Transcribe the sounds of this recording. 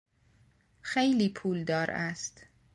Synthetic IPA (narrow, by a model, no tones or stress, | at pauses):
xejliːpʰuːld̪ɒːɾʔæst̪